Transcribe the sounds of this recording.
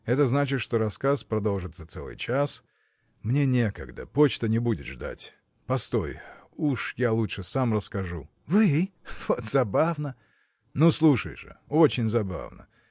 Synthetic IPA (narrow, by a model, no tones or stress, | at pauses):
ɛt̪əznat͡ɕɪt̪ʂt̪oɾɐskaspɾɐd̪o̞lˠʐɨt̪sət̪sɛlˠɨ̰jt͡ɕas | mnʲe̞nʲe̞kə̰ɡd̪ə̰pot͡ɕt̪ənʲɪbudʲɪt̪ʐd̪a̰tʲ | pɐst̪o̰juʂjalˠutʂɨsamrəskɐʐṵ | vɨv̥ot̪zɐbavnə | noslˠuʂə̰jʐɨ̰ot͡ɕɪnʲzɐba̰vnə̰